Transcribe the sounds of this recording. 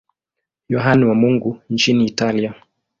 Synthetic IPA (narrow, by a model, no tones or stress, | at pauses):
jɔɦaniwamuŋɡunt͡ʃiniːtalia